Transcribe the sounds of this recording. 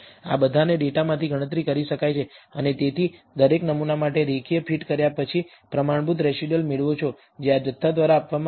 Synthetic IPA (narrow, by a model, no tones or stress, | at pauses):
a̰bəd̪ʱaneɖeʈamãt̪ʰiɡʱəɽ̃ət̪̬ɾikəɾiʃəkajt͡ʃʰeənet̪et̪ʰi | d̪əɾeknəmunamaʈeɾekʰijəpʰiʈkəɾjapət͡ʃʰi | pɾəmaɳ̃but̪ɾɛʃiɖəlmeɭʋot͡ʃʰo | d͡ʒead͡ʒət̪ʰːad̪ʋaɾaːpʋam